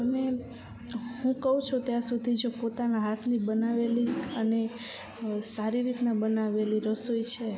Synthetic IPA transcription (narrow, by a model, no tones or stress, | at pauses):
t̪əme | hũkəɦũt͡ʃʰot̪jãsud̪ʱid͡ʒopot̪anaɦat̪ʰnibənaʋeliəne | saɾiɾit̪nabənaʋeliɾəsoit͡ʃʰe